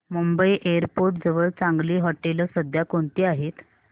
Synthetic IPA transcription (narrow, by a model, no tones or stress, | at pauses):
mumbəiʔeəɾpoɾʈ̚d͡zəʋəɭt͡saŋɡliːɦɔʈeləsəd̪ʱjakoɳt̪iːaɦet̪